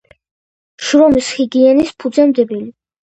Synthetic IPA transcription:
ʃɾɔmisχiɡiɛnispʰud̪zɛmd̪ɛbili

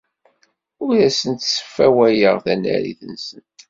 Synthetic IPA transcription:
ʊɾæsənt̪sə̥fːæwæjəʁðænæ̰ɾḭθənsənt̪

